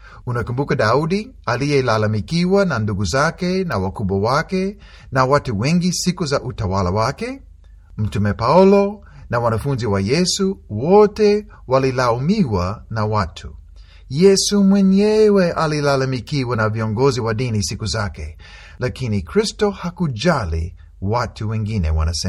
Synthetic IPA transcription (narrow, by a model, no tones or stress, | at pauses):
unakumbukaɗauɗialijɛlalamikiwananduɡuzakɛnawakuɓwawakɛ | nawatuwɛŋɡisikuzaʔutawala̰wakɛ | m̩tumɛpaulɔ | nawanafunziwajɛsuwɔtɛ | walilaumiwanawatʰu | jɛsumwɛɲɛwɛʔalilalamikiwanaviɔŋɡɔziwaɗinisikuzakɛ̰ | lakinikɾistɔhakud͡ʒalḭ | watuwɛŋɡinɛ̰wa̰nasɛ